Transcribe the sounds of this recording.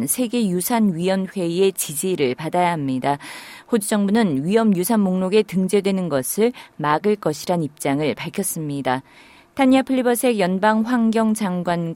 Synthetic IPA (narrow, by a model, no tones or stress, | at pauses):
nsʰe̞ɡe̞jusʰanɥijʌnɸwe̞ie̞t͡ɕid͡ʑiɾɯɭpadajaɦamɲidahod͡ʑud͡ʑʌŋbunɯnɥijʌmjusʰanmoŋnoɡe̞tɯŋd͡ʑe̞dwe̞nɯnɡʌsʰɯɭmaɡɯɭk͈ʌɕʰiɾanip̚t͡ɕ͈aŋɯɭpaɭkʰjʌs͈ɯmɲida | tʰaɲiapʰɯɭːibʌsʰe̞ɡjʌnbaŋɸwaŋɡjʌŋd͡ʑaŋɡwan